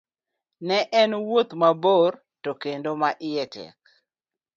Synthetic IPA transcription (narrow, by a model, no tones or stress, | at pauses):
nɛʔɛnwot̪mabor | tokendomaʔɪjɛtʰɛ̰k̚